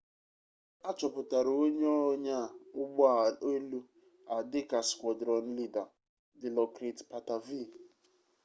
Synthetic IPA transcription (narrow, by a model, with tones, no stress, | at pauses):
a˦t͡ʃɔ˨pʊ˨ta˨ɾo˦ɲ˦ɔ˦ɲa˦˨ʊ˦ɡ͡ba˨e˦lu˦ | a˨dɪ˦ka˨skʷɔ˨dɾɔ˨n̩˦li˦da˨ | dɪ˨lɔ˨kɾe˨tpa˨ta˨vi˦˨